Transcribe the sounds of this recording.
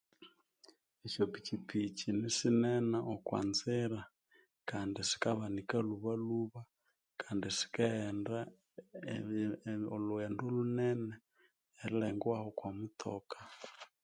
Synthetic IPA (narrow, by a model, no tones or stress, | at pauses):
iʃɔpit͡ʃipʰit͡ʃinisinɛnaʔɔkwa̰nzɛɾa | kandisi̥kaβanikaluβaluβa | kʰandisi̥kaɛnda | oluɛndolunɛnɛː | ɾilɛŋɡwahɔkwamutʰɔkḁ